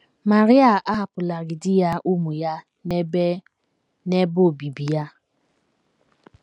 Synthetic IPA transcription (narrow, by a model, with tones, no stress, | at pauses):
ma˨ɾɪ˦a˨ʔa˦a˨pʊ˨la˨ɡɪ˨dɪ˦ja˦ʔu˦mu˨ja˦ | ne˦bo˦˨bi˨bi˨ja˦